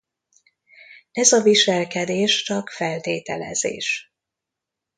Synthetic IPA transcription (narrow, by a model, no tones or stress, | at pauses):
ɛzɒviʃɛlkɛd̪eːʃt͡ʃɒkfɛlt̪eːt̪ɛlɛ̰zḛːʃ